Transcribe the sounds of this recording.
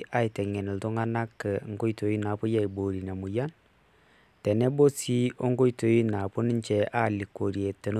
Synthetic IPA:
ʔa˦i˨tɛ˨ŋɛ˨nɛ˨lto˦ŋa˦na˦kːəŋ˦ko˦i˦to˨ji˦na˨po˦ja˦i˨bo˨ɾi˨na˨mu˨ja˦n | tɛ˨ne˦bo˦si˦o˦ŋɡo˦ito˨ji˦na˨po˦ni˦ɲt͡ʃɛ˨ʔa˦li˨kːo˨ɾi˨e˨tːɛ˨n˦

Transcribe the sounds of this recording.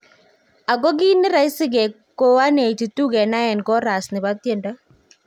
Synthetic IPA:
a˨ɡo˦ɡɪ˦nɪ˦ɾa˦ɪ˦sɪ˦ɡe˨ | ko˦a˦ne˨t͡ʃi˨t̪u˦ɡe˨na˦ɛ˨nkɔ˦ɾa˨snɪ˨ba˦t̪je˦nda˦

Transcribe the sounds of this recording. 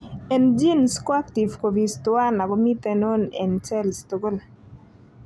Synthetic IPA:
ɛ˨nd͡ʒi˦nskwa˦kti˨vko˨vi˨stʊ˦a˦na˨ɡɔ˦mi˦t̪ɛ˨no˦nɛ̰˨nt͡ʃɛ˦lsto˨ɡo˦la

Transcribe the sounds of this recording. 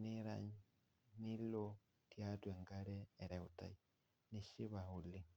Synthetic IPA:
ne˦ɾa̰ɲ | ni˦lo˦ | tja˦twɛ˨ŋɡaɾɛː˨ɾɛ˨u˨ta̰˨i | ni˦ʃi˦βa˨u˨li˨

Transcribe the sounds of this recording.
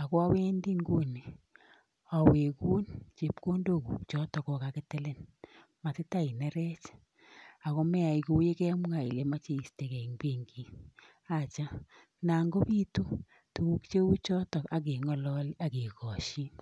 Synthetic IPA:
a˨kɔ˦a˦we˦ndi˦ŋɡo˦ni˨ | a˨we˨ku˦nt͡ʃe˨pko˦ndo˦˨ku˨kt͡ʃɔ˦tɔ˨kɔ˧ka˨kɪ˦te˦le˦n | ma˨tɪ˦ta˦i˨nɛ˦ɾɛ˦t͡ʃ | a˨kɔ˦mɛ˦a˨i˨ko˦je˦kɛ˦mʊ˦ŋa˨i˨le˨ma˦t͡ʃe˨i˨ste˨kɛ˨i˨ŋbe˦ŋɡi˨ | a˦t͡ʃa˦ | na˨ŋɡo˦pi˦tu˦ | tu˨ku˦kt͡ʃe˦u˦t͡ʃɔ˦tɔ˨ka˨k̬e˨ŋɔ˨lɔ˦li˦a˦ki˨kɔ˨ʃi˦n

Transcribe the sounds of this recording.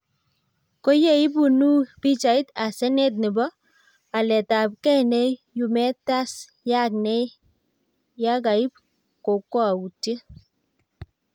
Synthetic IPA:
ko˦je˦i˦bu˨nu˦bi˦t͡ʃa˨i˦ta˨sɛ˦nɛ˦t̬̚nɪ˨bɔ˦ | a˨lɛ˨ta˨p̚kɛ˦nɛ˦ju˨mɛ˦ta˦s | ja˦˨k̚nɛ˦ | ja˦ka˨i˦p̚ | ko˨kɔ˦a˨u˨ti˦

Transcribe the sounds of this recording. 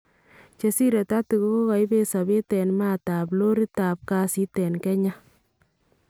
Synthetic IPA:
t͡ʃe˧si˦ɾɛ˨ta˦tu˨ko˦ko˦ka˨jbe˦sa˨be˦tɛ˨nma˦ta˨plo˦ɾi˦ta˨p̚ka˦si˦tɛ˨nkɛ˦ɲa˦

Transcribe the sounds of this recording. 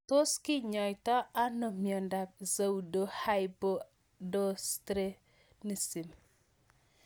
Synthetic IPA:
to˦skɪ˦ɲɔ˨jtɔ˦a˦no˨mjɔ˨nda˨p̚za˨u˨do˨ha˦jbo˦ | dɔ˦stɾe˦ | ni˨si˨m

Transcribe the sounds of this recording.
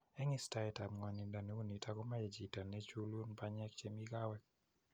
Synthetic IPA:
ɛ˦ŋɪ˦sta˦ɛ˨ta˨mŋɔ˨ni˨da˨ne˦u˦ni˨ta˦kɔ˦ma˦ɛ˨d͡ʒi˨ta˨nɛ˦t͡ʃu˦lu˦npa˦ɲɛ˦kt͡ʃe˦mi˦ɡa˦wɛ˦k̚

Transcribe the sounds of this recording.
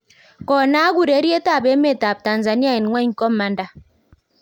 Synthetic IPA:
kɔ˨na˦ɡu˦˨ɾe˨˦ɾje˦ta˦˨be˨˦me˦˨ta˨p̚ta˨nza˨ni˦a˦˨i˨n˨ŋwɛ˦ŋ̩˦kɔ˦mːa˨nda˦

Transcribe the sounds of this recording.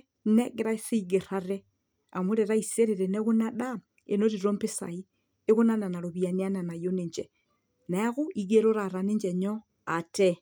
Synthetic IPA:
ne˦ɡe˦ɾa˦isi˦ɡe˨ɾaɾe | a˨mu˦ɾeɾa˦ise˦ɾeɾeneɣu˦naɗa | ḛ˨no˦ɾiɾo˦mpe˦sa̰i | e˦ɣu˦na˦na˨na˨ɾoβia˨nia˦na˨na˨jo˦neɲd͡ʒe | naɣu˦iɡeɾo˦ɾaɾane˦ɲd͡ʒeɲo | a˨te

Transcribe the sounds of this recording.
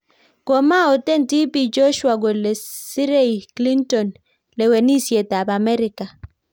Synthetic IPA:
kɔ˨ma˦ɔ˨tɛ˦nti˦pi˨d͡ʒɔ˦ʃwa˨ɡɔ˨le˨si˦ɾe˦jkli˦ntɔ˨n | lɛ˨wɛ˨ni˦sje˨ta˨ba˨mɛ˦ɾi˨ka˨

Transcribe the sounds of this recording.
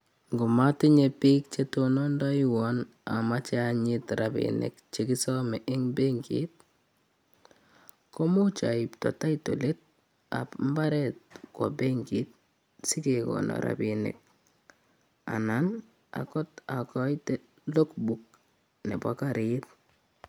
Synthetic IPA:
ŋɡo˨ma˦tɪ˦ɲepiː˦k̚t͡ʃetonɔ˦ndɔ˦iwɔn | a˨ma˦t͡ʃɛ˦aɲɪtɾabḭnḛ˨kt͡ʃeki˦sɔ˦mɛ˨ʔɪ˦ŋbe˦ŋɡḭt̚ | kɔ˦mu˦t͡ʃa˨iptɔ̰˨ta˦ito˨let̚ | a̰pmba˦ɾɛt̚kwɔbe˦ŋɡi˨t̚ | sɪ˦ke˨kɔ̰nɔ̰ɾa̰binḛ˨k̚ | a̰˨nan | a̰kɔ˦ta˨kɔ˦jte | lo˦kbuk̚ | nɛ˨pa̰kaɾɪt̚

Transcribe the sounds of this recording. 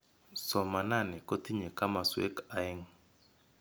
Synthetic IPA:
sɔ˨ma˨na˦˨nɪ˨ko˦t̪i˦ɲe˨ka˦ma˨swḛ˦ka˨˦ɪ˦ŋ

